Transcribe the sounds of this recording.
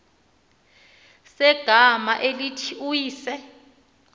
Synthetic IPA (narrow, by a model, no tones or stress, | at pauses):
sɛɡ̥ʱama̰ʔelitʰiujiːsɛ